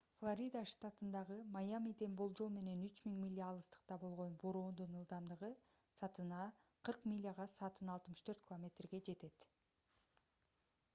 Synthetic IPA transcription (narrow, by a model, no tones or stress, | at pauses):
flˠoɾʲid̪aʂt̪at̪ɯnd̪ɑʁɯmajamʲid̪enbolˠd͡ʒo̞lˠme̞ne̞nyt͡ʃmiŋmʲilʲːiɑlˠɯst̪ɯ̥q̚t̪ɑbo̞lˠʁo̞nboɾo̞ːnd̪unɯlˠd̪ɑmd̪ɯʁɯ | sɑt̪ɯnɑqʰɯɾqmʲilʲːiaʁɑsɑt̪ɯnɑlˠt̪mɯʃt̪ʰøɾt̪̚kʲilˠomʲe̞t̪rɡe̞d͡ʒe̞t̪e̞t̪